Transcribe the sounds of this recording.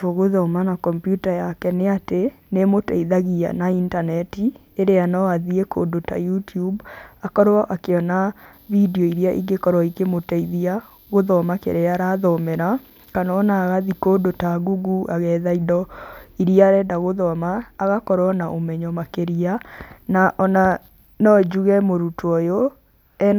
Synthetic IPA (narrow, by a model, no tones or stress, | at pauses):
oɣoðɔmanakɔmpjutajakɛneatenemotɛiðaɣia̰naintanɛti | eɾeanɔaðiekʰo̰dota̰jutubakɔɾɔʔakeɔna | videɔiɾiaʔḭɡekɔɾwɔikemotaiðia | ɣoðɔmakḛɾeaɾaðɔmɛɾa | kanaːnaːɣaðikodotaɣuɡuʔaɣɛðaidɔiɾiaɾɛdaɣoðɔmaːɣakɔɾwɔnaʔomɛɲɔmakeɾianaʔɔna | nɔd͡ʒuɣɛmoɾutwɔjo | ɛn